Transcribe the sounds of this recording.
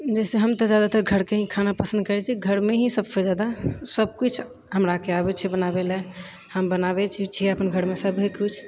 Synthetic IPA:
d͡ʒɛseɦəmt̪əd͡ʒjad̪at̪əɾɡʱəɾkeɦĩkʰanapəsə̃nd̪kəɾɛt͡ʃʰiɡʱəɾmeɦĩsəbfed͡ʒad̪asəb̚kut͡ʃʰ | ɦəmɾakeabɛt͡ʃʰibənabelɛ | həmbənabɛt͡ʃʰit͡ʃʰiəpənɡʱəɾmesəbɦekut͡ʃʰ

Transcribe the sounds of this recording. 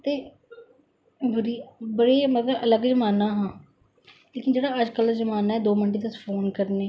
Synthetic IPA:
t̪eː | ʋəɾiːbəɽeːmət̪ləbələɡzəmaːnaːɦãː | leːkɪnd͡ʒeːɽaːəd͡ʒkəlzəmaːnaːɛːd̪oːmɪnʈeːt̪ʊspʰoːnkəɾneː

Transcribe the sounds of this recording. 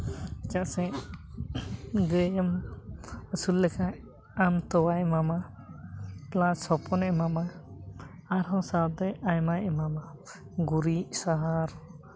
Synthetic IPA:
d͡ʒaʔsɛ | ɡɾɛm | əsulːɛkʰaʔ | amt̪ɔwajmama | plãsɔpʰɔnɛmamaː | ɾɦɔ̃sad̪ɛʔajmajɛmama | ɡuɾiʔsaɦaɾ

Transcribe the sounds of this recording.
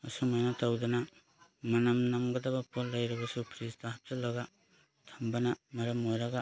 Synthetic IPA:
asumajnatʰawdana | mɐnamnamɡɐdabapʰolːajɾabasupʰɾistaɦap̚talaɡa | tʰambanamɐɾɐmojɾaɡa

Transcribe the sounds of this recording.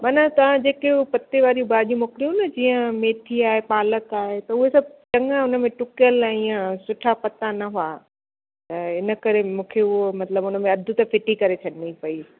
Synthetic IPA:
maːnat̪ɐʋ̤ãd͡ʑeːkeʊpɐt̪eʋaːɾijũbaːʄijũmoːkɾijũnɐd͡ʑiːə̃meːʈʰiaːɦepaːləkaːɦet̪ɐʊɦesɐbʱt͡ɕɐ̃ŋaʊnəmẽʈʊkjəlaĩãsʊʈʰapɐt̪anɐɦua | t̪ɐɪnə̆kɐɾemũːkʰeʊɦomɐt̪ləbʊnə̆mẽɐd̪ʱʊt̪ɐfɪʈikɐɾet͡ɕʰɐɗɪnipɐi

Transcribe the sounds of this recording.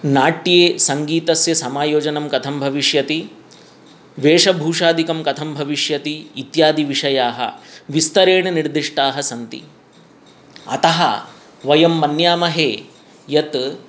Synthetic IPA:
naːʈːijeːsɐŋɡiːt̪ɐsjɐsɐmaːjoːd͡ʒɐnɐmkɐt̪ʰɐmbʱɐʋiʂjɐt̪i | ʋeːʂɐbʱuːʂaːd̪ikɐmkɐt̪ʰɐmbʱɐʋiʂjɐt̪iːt̪jaːd̪iʋiʂɐjaːɦɐ̰ʋist̪ɐɾeːɳɐniɽd̪iʂʈaːɦɐsɐnt̪ḭ | ɐ̰t̪ɐɦɐ̰ | ʋɐjɐmːɐnjaːmɐɦeː | jɐt̪

